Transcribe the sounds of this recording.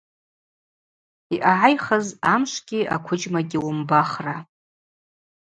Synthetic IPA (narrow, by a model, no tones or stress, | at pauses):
iʔaʕajχəzamʃʷɡʲiʔakʷʰʊd͡ʒmaɡʲɪwʊmbaχra